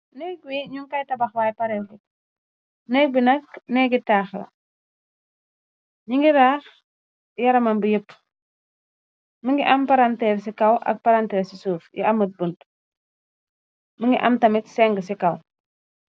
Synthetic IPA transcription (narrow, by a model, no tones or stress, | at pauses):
nɛɡwiɲuŋkɐjtɐbɐxwaːjpɐɾɛlki | nɛbinɐknɛɡitaːxlɐ̰ | ɲiŋɡiɾaːx | jɐɾɐmanbəjəpː | məŋɡiʔɐmpaɾantɛːɾs̬ikɐwʔɐ̰k̚pɐɾantɛːsisuːfjḭɐmət̚bunt | məŋɡiʔɐmtɐmiksɛŋɡəsikɐw